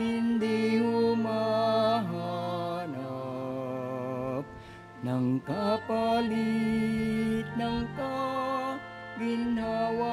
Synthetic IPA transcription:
ind̪iɦumaɦana | p̚ | nɐŋkapɐli | t̪̚nɐŋk̪a | ɡindʱawa

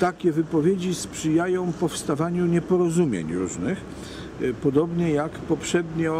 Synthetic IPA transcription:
t̪akʲɛvɘpɔvʲjed͡ʑispʂɘjajɔ̃w̃pɔfst̪avaɲuɲɛpɔɾɔzumʲjḛɲɾuʐnɘx | pɔd̪ɔbɲɛjakpɔpʂɛd̪ɲɔ

